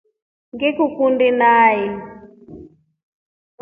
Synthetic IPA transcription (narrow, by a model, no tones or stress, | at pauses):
ŋɡɛkukundinaːjɛ